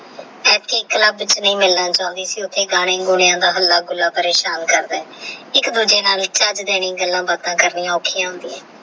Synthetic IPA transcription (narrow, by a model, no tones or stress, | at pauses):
ɛːtkeːkələbt͡ʃnəĩːmɪlnãːt͡ʃaːʊnd̪iːsiːʊt̪ʰːeːɡaːɽ̃ẽːɡʊɽejãːd̪aːɦəlːaːɡʊlːaːpəɾeːʃaːnkəɾd̪aːɛːɪkd̪ud͡ʒeːnaːlt͡ʃəd͡ʒd̪eːɽ̃ĩːɡəlːãːbət̪ãːkəɾniːãːʊkʰijãːɦʊ̃nd̪iːɛ̃ː